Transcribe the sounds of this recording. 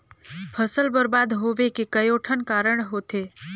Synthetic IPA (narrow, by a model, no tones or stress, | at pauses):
pʰəsəlbəɾbaːd̪ɦoʋekekəjoʈʰənkaːɾəɽ̃ɦot̪e